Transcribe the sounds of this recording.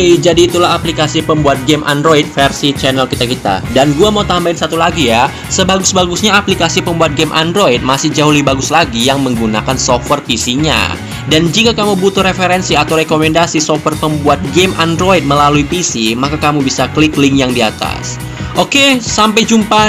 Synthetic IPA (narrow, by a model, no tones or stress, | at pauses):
d͡ʒadiːt̪ulaɦaplikasipəmbuat̪̚ɡemʔa̰ndɾoit̪̚fɛrsit͡ʃɛnɛlkit̪akit̪a̰danɡuamaut̪ambaɪnsat̪ulaɡija | səbaɡʊsbaɡusɲaːplikasipəmbuat̪̚ɡɛmʔa̰ndɾoit̪̚masɪhd͡ʒaɦulibaɡʊslaɡijaŋməŋɡunakansoft̪wɛrpisiɲa̰ | dand͡ʒikakamubut̪uɾefeɾɛnsiat̪awɾekomɛndasisɔfwɛrpəmbuat̪̚ɡemʔandɾoit̪̚məlaluipisimakakamubisakliklɪŋjaŋdiat̪a̰s | ʔokesampajd͡ʒumpa